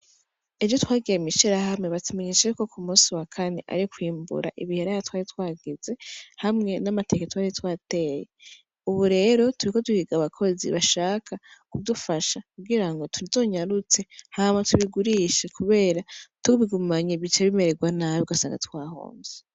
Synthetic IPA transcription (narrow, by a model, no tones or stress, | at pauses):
e̞d͡ʒo̞twaːɡiɾemiʃiɾaɦamŋe̞βatume̞ɲet͡ʃeko̞kumũːsiwakʰane̞̰ʔa̰ɾikwiːmbṵɾa̰ʔiβiheɾaatwaːɾitwaːɡize̞hamŋe̞namate̞ːkatwaːɾitwaːte̞je | uβuɾe̞ːɾo̞tuɾiko̞tuhiɡaβakʰo̞zḭβaʃaːkʰakudufaʃakuɡiɾaŋɡo̞tuɾito̞ɲaɾut͡se̞hamatuβiɡuɾiʃekuβe̞ːɾatuβiɡumaɲiβit͡ʃeβime̞ɾe̞ɡwanaβiuɡasa̰ːŋɡa̰twaːho̰ːnze